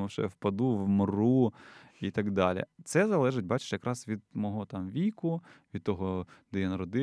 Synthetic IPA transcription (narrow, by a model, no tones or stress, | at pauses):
ʊʃɛ̰wpɐd̪uʋmruit̪ɐɡd̪ɑlʲḭt̪sɛzɐlˠɛʒɪtʲbɑt͡ʃɪ̥ʃjɐkɾʔɑsʋʲid̪̚mɔɦɔt̪ɑmʋʲikʊʋʲid̪t̪ɔɦɔd̪̥ɛjanɐɾɔd̪ɪ